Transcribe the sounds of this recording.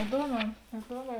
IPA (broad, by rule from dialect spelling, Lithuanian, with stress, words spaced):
ɪˈduɔˌmʲɛː ɪˈduɔˌmʲɛː